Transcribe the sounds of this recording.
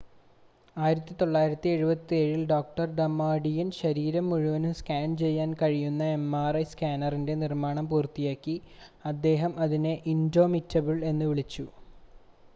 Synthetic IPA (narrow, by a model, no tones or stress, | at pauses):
aːjiɾɐt̪ːit̪o̞ɭːaːjiɾɐt̪ːie̞ɻubɐt̪ːie̞ːɻilɖo̞ːk̚ʈɐrɖɐmːaːɖijɐnɕɐɾiːɾɐmːuɻuʋɐnumskaːnt͡ɕe̞jːaːnkɐɻijunːɐe̞mːaːrɐjskaːnɐrinde̞nirmaːɳɐmpuːrt̪ijaːkːiɐd̪ːe̞ːɦɐmɐðineʔindo̞ːmitːɐbiɭe̞nːuʋiɭit͡ɕːu